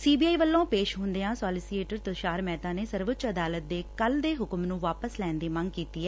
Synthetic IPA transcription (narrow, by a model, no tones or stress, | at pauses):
siːbiːaːiːʋəlːõːpeːʃɦʊ̃nd̪eãːsɔːlɪsiːeːʈəɾt̪əʃaːɾmɛːt̪ãːneːsəɾʋʊt̪t͡ʃəd̪aːlət̪̚d̪eːkəld̪eːɦʊkmnũːʋaːpəslɛ̃ːnd̪iːmə̃ŋɡkiːt̪iːɛː